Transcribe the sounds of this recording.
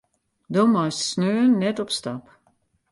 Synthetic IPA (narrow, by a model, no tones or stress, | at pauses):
domajssnøənːɛtɔpstap